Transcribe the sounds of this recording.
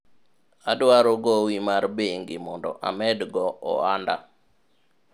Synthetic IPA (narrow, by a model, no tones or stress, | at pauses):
adwaɾɔɡɔwimarbeŋɡimɔndɔ̰ʔa̰mɛdɡɔʔɔ̰anda̰